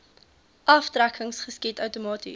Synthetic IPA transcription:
ʔɐftrækʰəŋsχəskitœwtomɑːtḭ

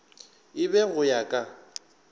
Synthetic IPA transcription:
ɪbɛɣʊjakʼa

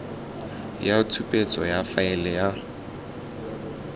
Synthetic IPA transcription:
jatʰupʼet͡sʼɔjafaɪlɛja

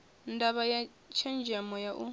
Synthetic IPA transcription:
ndaβaja | t͡ʃʰɛnd͡ʒamɔjaʔu

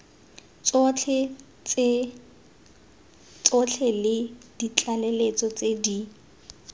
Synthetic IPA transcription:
t͡st͡ɬʰɛ | t͡s | t͡sɔt͡ɬʰɛlɪd̥it͡ɬʼalelet͡sʼɔt͡sedi

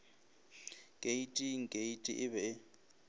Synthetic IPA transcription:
kʼeitʼiŋ̩kʼeitʼḭʔɪβɛ

